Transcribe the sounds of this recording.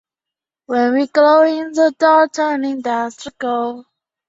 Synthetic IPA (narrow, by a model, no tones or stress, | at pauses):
wɛ̃nwiɡloʊɪ̃nðədɔtʰɜ˞nɪ̃ŋdastɹ̥ɪkə